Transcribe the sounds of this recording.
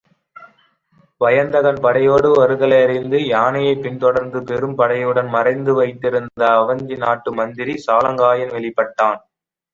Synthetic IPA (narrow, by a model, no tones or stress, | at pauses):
ʋɐjɐnd̪ɐɣɐnpɐɽɐjoːɽɯʋɐɾɯɣɐlɐɪɐɾɪnd̪ɯjaːnɐjɐɪpːɪnt̪ɔɽɐɾnd̪ɯpɛɾɯmpɐɽɐjɯɽɐnmɐrɐɪnd̪ɯʋɐɪt̪ːɪɾɯnd̪ɐːʋɐɲd͡ʒinaːʈːɯmɐnd̪ɪɾisaːlɐŋɡaːjɐnʋɛɭɪpːɐʈːaːn